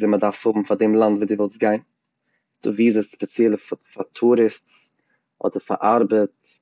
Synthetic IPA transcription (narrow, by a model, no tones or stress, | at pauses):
zɪmədaɾfhʊbm̩fademlˠantviːdɪvɔlˠsɡaɪn | sdṵːviːzəsspɛt͡sjɛlˠəffatʰuːɾɪst͡s | ʔɔ̰dəɾfa̰ʔaɾbət̚